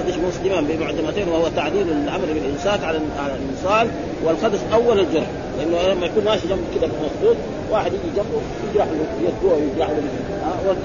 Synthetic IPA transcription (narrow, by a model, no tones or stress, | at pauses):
d̪ɑʃmʊsˤd̪imabimaʕd͡ʒamat̪eːnwahuwat̪aʕliːɾalʕamɾbilʔɪnsaːkʕalʕalalːɨsˤɑːl | walxɑd̪ɑʃʔawːalald͡ʒʊɾˤħ | lɪʔanːlamːajakuːnmaːʃid͡ʒamːalkid̪abilmɑxˤbuːt̪̚ˤ | waːħɪd̪jiːɡid͡ʒamːu | jɪd͡ʒɾˤɑħlujad̪̚uawjɪd͡ʒɾˤɑħlul | awa